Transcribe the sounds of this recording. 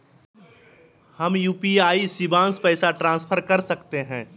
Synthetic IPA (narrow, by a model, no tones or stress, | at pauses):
hɐmjuːpiaːisɪbãːnspɛːsaʈɾãːspʰəɾkɐɾsɐkt̪eɦɛ̃ː